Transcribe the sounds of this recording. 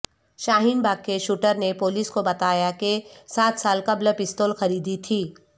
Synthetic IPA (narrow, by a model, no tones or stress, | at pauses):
ʃaːɦiːnbaːkːeʃuːʈəɾnepoːliskobɐt̪aːjakesaːt̪ʰsaːlkɐblepɪst̪oːlxɐɾiːd̪it̪ʰiː